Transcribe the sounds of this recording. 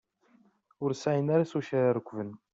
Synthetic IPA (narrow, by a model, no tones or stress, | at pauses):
ʊɾsajənaɾasuʃæɾaɾəkʷːvən